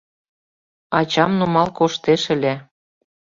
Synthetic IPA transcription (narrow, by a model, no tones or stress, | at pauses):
ɑt͡ɕɑmnumɑlkoʃt̪eʃə̆lʲe